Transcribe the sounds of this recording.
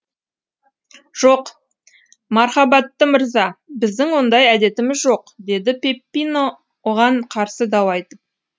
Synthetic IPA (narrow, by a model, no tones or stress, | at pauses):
ʒ̥oq | mɑɾχɑbɑt̪ːəməɾzɑbɪzd̪ɪŋwo̞nd̪ɑjæd̪e̞t̪ɪmɪzʒo̞qd̪e̞d̪ɪpʲe̞pːijno | woʁɑɴqʰɑɾsəd̪ɑwɑjt̪əp̚